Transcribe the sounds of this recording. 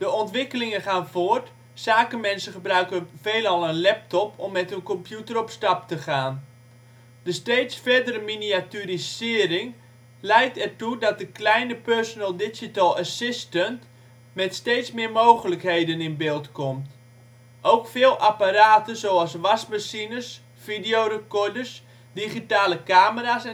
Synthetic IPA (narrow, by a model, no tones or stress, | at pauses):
d̥əɔntʋɪkəlɪŋənχaːnvoərt | saːkəmɛnsənχəbrœɥkəveːlˠɑlˠənlɛp̚tɔpʰɔmːɛtɦønkɔmpjutərɔpstɑp̚təχaːn | dəsteːtsfɛrdəɾəminiatyɾisɪːəɾɪŋ | lɛjk̚tɛrtudɔt̚dəklɛjnəpørsonəlˠdɪd͡ʒitalˠasɪstənt | mɛtsteːtsmɪːɹmoːɣələkhejdənɪnbɪːlˠtkɔmt | ʔowkfɪːlˠʔapaɾaːtənzoːalˠsʋasbəsinərs | fidijorəkɔrdərs | diχitaːləkaːməɾasɛ